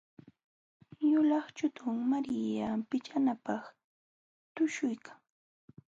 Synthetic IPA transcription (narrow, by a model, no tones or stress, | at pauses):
jʊlɑχt͡ʃʊt̪ʊŋmaɾɪjapɪt͡ʃanapɑχ | t̪ʊʃʊjkʰḁŋ